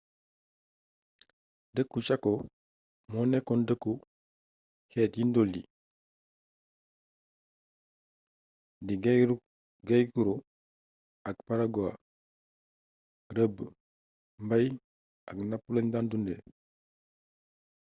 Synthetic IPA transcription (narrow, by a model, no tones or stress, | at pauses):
dəkːuʃakːo | mɔnekːɔndəkːu | kɛːtjindoldi | diɡ | ɡajkuɾo | akpaɾaɡoa̰ | ɾəb | mbaj | aɡnapːulaɲdandunde